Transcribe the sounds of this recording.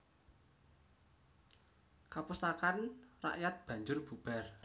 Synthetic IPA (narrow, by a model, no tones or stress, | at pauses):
kapust̪akanra̰ʔjat̪̚b̥ä̤ɲd͡ʒʊrb̥ub̥ɛr